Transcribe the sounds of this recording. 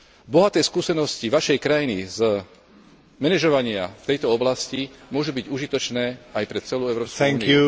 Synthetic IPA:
bɔɦat̪ɛːskuːsɛnɔsciʋaʃɛjkɾajiniz | mɛnɛʒɔʋaɲɪa̰ft̪ɛjt̪ɔɔblascimʊɔʒubiɟuʒit̪ɔt͡ʃnɛːajpɾɛt͡sɛluːɛʊɾɔːpsk̪ɛŋiju

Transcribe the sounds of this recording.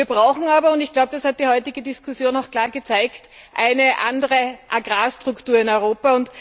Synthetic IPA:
iːɐb̥ʁaʊxŋ̩aːbɐʊntɪçɡ̥laʊbəd̥ashat̚d̥iːhɔʏtɪɡədɪskʰʊsjoːnaʊxkl̥aːɐɡət͡sæɪkt | ʔæɪnəʔa̰ndəʁəʔaɡʁaːstʁ̥ʊktuːɐɪnɔʏʁoːpaʊnt

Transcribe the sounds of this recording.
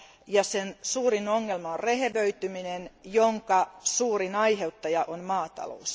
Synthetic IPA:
jɑsensuːrinoŋːelmɑorreheʋøyt̪yminenjoŋkɑsuːrinɑiɦeut̪ːɑjɑʔonmɑːt̪ɑ̰lo̰us

